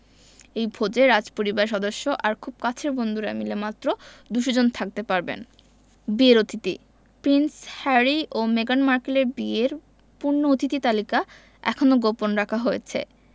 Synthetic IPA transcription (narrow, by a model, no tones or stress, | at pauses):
ejbʱod͡ʑeɾad͡ʑpoɾibaɾʃɔd̪oʃːoʔaɾkʰub̚kat͡ɕʰeɾbond̪ʱuɾamilemat̪ːɾod̪uʃod͡ʑont̪ʰak̚t̪epaɾbḛn | bieɾot̪it̪ḭ | pɾinshɛɾiomeɡanmaɾkeleɾbieɾ | puɾnoot̪it̪it̪alika | ɛ̰kʰonoɡoponɾakʰaɦojet͡ɕʰḛ